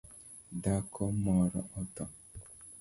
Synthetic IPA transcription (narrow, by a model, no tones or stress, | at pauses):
dakʰɔmɔɾɔ̰ʔɔtɔ